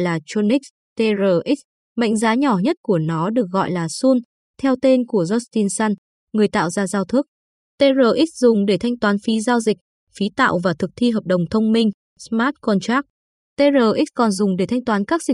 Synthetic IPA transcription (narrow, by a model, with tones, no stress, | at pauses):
jlaː˨˩t͡ɕu˧ni˦˥k̚ | t̪e˧zəː˨˩ʔi˦˥k̚ | ma̰˧˨jŋ̟zaː˨˦ɲɔ˧˩ɲə˦˥t̚ku˧˩ənɔ˨˦ɗɨ˨˩ək̚ɣɔ̰˧˨jlaː˨˩su˧n | t̪ʰɛ˧wt̪e˧nku˧˩əzɔ˦˥st̪i˧nsa˧n | ŋɨ˨˩əjt̪a̰ː˧˨wzaː˧zaː˧wt̪ʰɨ˦˥k̚ | t̪e˧zəː˨˩ʔi˦˥zʊ˨˩ŋ͡mɗe˧˩t̪ʰa˧jŋ̟t̪waː˨˦nfi˨˦zaː˧wzï˨˩k̟̚ | fi˨˦t̪a̰ː˧˨wvaː˨˩t̪ʰɨ˨˩k̚t̪ʰi˧ɦəː˨˩p̚ɗə˨˩wŋ͡mt̪ʰə˧wŋ͡mmï˧ŋ̟ | smaː˦˥t̚kɔ˧nt͡ɕaː˦˥k̚ | t̪e˧zəː˨˩ʔi˦˥kɔ˨˩nzʊ˨˩ŋ͡mɗe˧˩t̪ʰa˧jŋ̟t̪waː˨˦nkaː˦˥k̚zï˨˩